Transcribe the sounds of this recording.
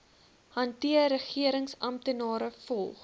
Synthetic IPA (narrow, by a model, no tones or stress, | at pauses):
hɐntiəɾəχiəɾəŋsɐmtənɑːɾəfɔlˠχ